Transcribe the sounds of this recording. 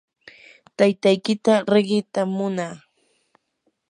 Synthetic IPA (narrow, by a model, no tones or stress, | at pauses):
t̪ajt̪ajkɪt̪aɾeɢɪt̪amʊnaː